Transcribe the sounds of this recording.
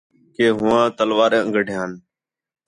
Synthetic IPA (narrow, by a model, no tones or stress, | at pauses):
keːɦʊʋãːt̪əlʋaːɾeːəŋɡəɖʱɪjãːn